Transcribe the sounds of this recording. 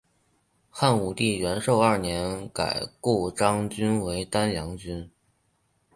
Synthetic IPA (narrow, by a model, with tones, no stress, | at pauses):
xa˥˩nu˨˩t̪i˥˩ɥɛ˧˥nʂo˥˧ʊɐ˞˥˩njɛ˧˥nka̰˨˩ɪku˥˩ʈ͡ʂɑ˥ŋt͡ɕy˥nwe˧˥ɪt̪a˥njɑ˧˥ŋt͡ɕy˥n